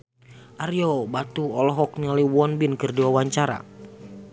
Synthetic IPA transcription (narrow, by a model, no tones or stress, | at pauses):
ʔaɾjobat̪uɔlɔɦɔk̚niɔliwɔnbɪnkɨrdiwawaɲt͡ʃaɾa̰